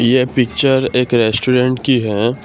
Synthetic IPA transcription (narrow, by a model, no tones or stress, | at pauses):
jepɪk̚t͡ʃəɾeːkɾɛːsʈuːɾẽɳʈkiɦɛː